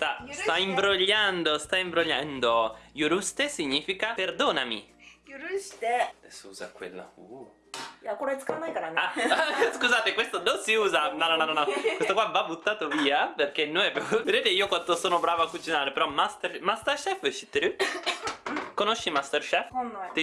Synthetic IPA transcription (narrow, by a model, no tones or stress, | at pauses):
st̪ast̪aimbɾoʎːand̪ost̪aimbɾoʎːand̪ojuɾust̪esiɲːiːfikaperd̪oːnamḭɾust̪siuːza̰kwḛlːa̰ṵ | akuɾaɛskamajɡɾanaskuzaːt̪ekwest̪ononsiuːzanɔnɔnɔnɔnɔkwesk̪t̪okwavabut̪ːaːt̪oviːaperk̟enːoɛpːɛved̪eːt̪eiːokwant̪osoːnobɾaːvoakːut͡ʃinaːɾepeɾɔmast̪ermast̪erʃɛfʃi̥t̪ɾy | konoʃːimast̪erʃɛfnt̪